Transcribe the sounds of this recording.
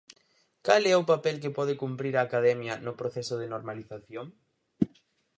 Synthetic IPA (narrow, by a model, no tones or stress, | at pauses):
kalɛopapɛlk̬ɪpɔð̞ɪkumpɾiɾaːkaðɛmjɐnʊpɾoθɛsʊðɪnoɾmaliθaθjoŋ